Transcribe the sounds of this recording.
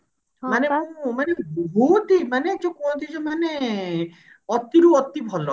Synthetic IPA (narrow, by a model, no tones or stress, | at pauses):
manebumanebut̪imaned͡ʒokõd̪id͡ʑomane | ɔt̪ːiɾuɔt̪ːibʱɔlo